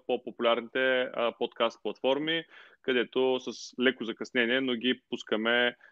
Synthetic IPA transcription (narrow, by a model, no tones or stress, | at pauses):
popopulʲaɾnit̪ɛpot̪kast̪̚plˠɐt̪fɔɾmikɐd̪ɛt̪osəslɛkozɐkɐsnɛniɛnoɡipuskəmɛ